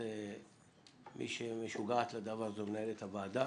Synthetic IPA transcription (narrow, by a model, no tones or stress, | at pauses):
e | mʔḭʃemeʃuɡaat̪lad̪avaʁzomenaelet̪havaːd̪a